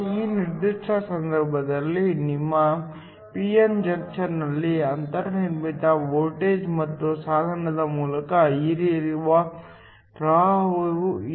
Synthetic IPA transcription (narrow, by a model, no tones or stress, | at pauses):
iːniɾd̪iʂʈʰɐsɐnd̪ʱɐɾbʱɐd̪ɐlːinimːɐ | piemd͡ʒɐŋkt͡ʃɐɾnɐlːiɐnt̪ɐɾnimit̪ɐʋoːʈeːd͡ʒmɐt̪ːusaːd̪ʱɐɾɳɐd̪ɐmuːlɐkɐiɾiɾuʋɐ | ʈɾaːɦoɾu